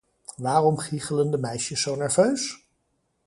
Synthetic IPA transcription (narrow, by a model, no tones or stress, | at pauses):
ʋaːrɔmχiχələndəmɛjʃəsːownɛɹvøɥs